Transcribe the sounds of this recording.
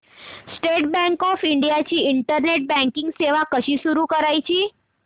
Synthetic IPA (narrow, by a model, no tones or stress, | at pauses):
sʈeʈbɛ̃ŋkɔfɪɳɖijat͡ʃʰiɪɳʈəɾneʈ̚bɛ̃ŋkɪ̃ŋɡseʋakəʃʰiʃuɾukəɾajt͡ʃʰi